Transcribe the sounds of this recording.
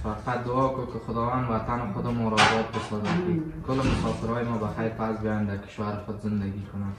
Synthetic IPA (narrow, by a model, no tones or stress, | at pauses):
faqat̪̚d̪ʊɔkokɪxʊd̪ɔwand̪wat̪anɪxʊd̪ɔmɔɾɔd͡ʒɔt̪̚bɪsɔzakikʊlmʊsɔfɪɾɔjɪmɔbaxajɾpasbjɔjand̪akɪ̥ʃwaɾɪxʊd̪zɪnd̪aɡikʰʊnan